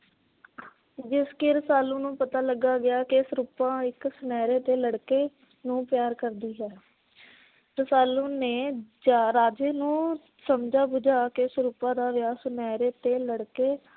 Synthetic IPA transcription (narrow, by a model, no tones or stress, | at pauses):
d͡ʒɪskeːɾəsaːlõːnũːpət̪aːləɡaːɡɪjaːkɪɪsɾuːpãːɪksʊnɛːɾeːt̪eːləɽkeː | nũːpɪjaːɾkəɾd̪iːɦɛː | ɾəsaːlõːneːd͡ʒaːɾaːd͡ʒeːnũː | səmd͡ʒaːbʊd͡ʒaːkɪɪsɾuːpãːd̪aːʋjaːsʊnɛːɾeːt̪eːləɽkeː